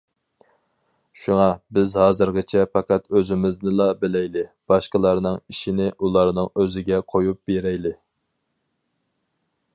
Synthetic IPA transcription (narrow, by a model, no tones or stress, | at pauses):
ʃuŋɑbɪzhɑːzɨɾʁɨt͡ʃʰɛpɑqɑt̪øzɪmɪznɪlˠɑbɪlɛjlɪb̥ɑʃqəlˠɑɾnɨŋiʃinɪʔulˠɑɾnɨŋøzɪɡʲɛqʰojup̚beɾɛjlɪ